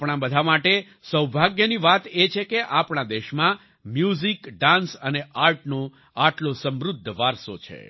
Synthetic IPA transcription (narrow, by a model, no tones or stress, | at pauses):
pɳ̃ãbəd̪ʱamaʈe | səwbʱaɡjəniʋat̪et͡ʃʰekeʔapɳ̃ad̪eʃmã | mjuzikɖãnsəneʔaɾʈnõ | aʈlosə̃mɾʊd̪ʱːəʋaɾsot͡ʃʰḛ